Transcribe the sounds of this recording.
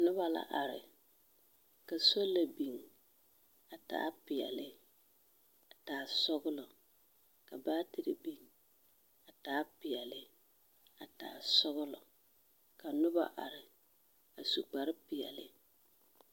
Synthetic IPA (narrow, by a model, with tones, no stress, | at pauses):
nʊ˦ba˦la̰˨ʔa˨ɾɪ˨ | ka˨so˦lːa˨bi˨ŋ | a˨ta̰ː˦pɪ˨ɛ̰˨lɪ˦ | a˨taː˨˦˨sʊ˦ɣʊ˦lɔ˨ | ka˨baː˦tɪ˨ɾɪ̰˨bi˨ŋ | a˨taː˨˦pɪ˨ɛ˨lɪ˦ | a˨ta̰ː˨sʊ˦ɣʊ˦lɔ˨ | ka˨nʊ˦ba̰˦ʔa˨ɾɪ˨ | a˨su˨ɡ͡ba˨ɾɪ˦pɪ˨ɛ̰˨lɪ˦